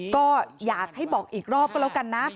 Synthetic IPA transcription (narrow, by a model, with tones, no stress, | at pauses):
kɔː˥˩jaː˨˩k̚ha˥˩jbɔː˨˩k̚ʔiː˨˩k̚ɾɔː˥˩p̚klɛ˦˥wka˧nːa˦˥